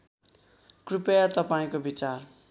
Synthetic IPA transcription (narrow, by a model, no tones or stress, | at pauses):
krupejat̪ʌpaĩkobit͡sar